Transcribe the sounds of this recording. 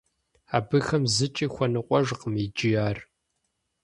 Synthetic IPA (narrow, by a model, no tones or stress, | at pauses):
aːbɨxɐmzɨt͡ʃʼiːxʷɔnɨqʷʼɔʒqəmid͡ʒɪjaːr